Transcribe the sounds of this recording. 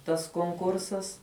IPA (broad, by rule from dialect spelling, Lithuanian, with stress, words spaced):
tɐs koːŋˈkʊrsɐs